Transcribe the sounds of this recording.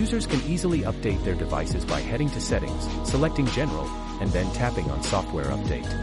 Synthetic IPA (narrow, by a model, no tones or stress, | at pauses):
jʉzə˞z̥kʰɨ̃nizl̩ˠiʔʌp̚d̥eɪt̪̚ðə˞dɨva̰ɪsɨzba̰ɪhɛɾɪ̃ŋtʰɨsɛɾɪ̰̃ŋz̥ | səlɛk̚tɪ̃ŋd͡ʒɛnə̰˞l̩ˠ | ɨ̃nðɨ̃ntʰæpɪ̃ŋə̰̃nsɔft̚wɛɹʌ̰p̚d̥eɪt̚